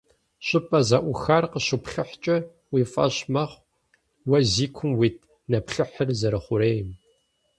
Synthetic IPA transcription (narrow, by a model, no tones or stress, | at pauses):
ɕʼɪpʼɐzɐʔʷʊxarqəɕʊpɬɨħt͡ʃʼɐ | wiːfʼɐ̰ɕmɐχʷ | wɐziːkʷʰʊmwiːt̚ʰ | nɐpɬɨħərzɐɾɐχʷʊɾeːjɪm